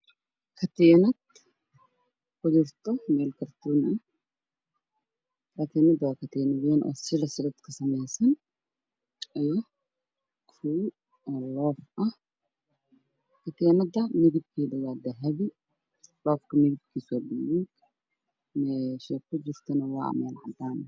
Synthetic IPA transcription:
kʰɐt̪eːnɐt̪ | kɔd͡ʒɪɾt̪ɔmeːlkɐɾt̪unɐ | kɐt̪eːnɐd̪ɐkɐt̪eːnɐweːnʔɔ̰sɪɾɐsɪd̪ɐt̪kɐsɐmeːsɐn | ɐjɔ | kʰu | ɛːlɔːfʔɐh | kʰɐt̪ʰɛːnɐd̪ɐmɪðɪb̚kʰiːd̪ɐɣaːd̪ɐɦɐβɪ | lɔːfkʰɐmɪðɪb̚kʰiːsɔːdijɛ | mɛːʃɛkʰʊd͡ʒɪr̥t̪ʰɐnɐwɑ̰ːʔmɛːlʕɑ̰d̪aːn

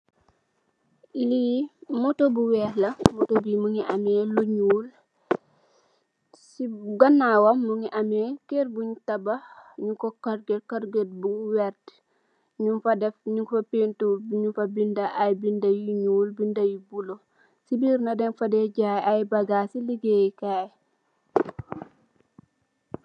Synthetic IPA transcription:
limɔtobuwɛhlɐmɔtobimuŋiʔɐmɛːluɲuːl | siɡɐnːawɐmːuŋiʔɐmɛkerbuɲutɐbɐɲukɔkɐɾɡekɐɾɡet̚buwɛrt | ɲunfɐdɛfɲuŋkfɐpentubɲufɐbindaʔajbindajiɲuːlbindɐjibulo | sibiːɾnɐdɛnfɐdɛɟajajbɐɡasiliɡekaj

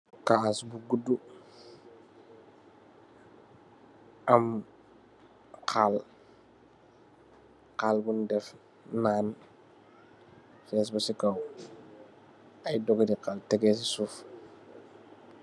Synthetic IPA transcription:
kaːsbuɡudu | ɐm | qʰal | qaːlbundɛf | naːn | fɛs̬bɐsikaw | ɐjdɔɡdiqaltɛɡɛːs̬isuːf

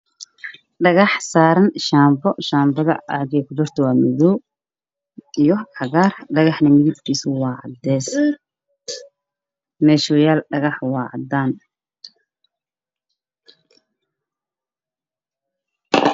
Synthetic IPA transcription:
ɖɐɣɑħsaːɾɐnʃaːmbɔʃaːmbɐðɐ̰ɑɡɛkʰʊd̪ɔrt̪ʰɔwaːmɪðɔ | ijɔʕɑɣaːrɖɐɣɑħnɐmɪðɪb̚kʰiːswɑːʕɑ̰d̪ɛːs | mɛːʃʊjaːlɖɐɣɑħwɑːʕɑd̪aːn

